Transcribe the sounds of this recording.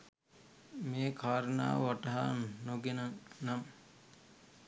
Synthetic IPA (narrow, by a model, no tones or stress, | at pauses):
meːkʰaːɾəna̰ːʋaʈɐɦannoɡenəŋnam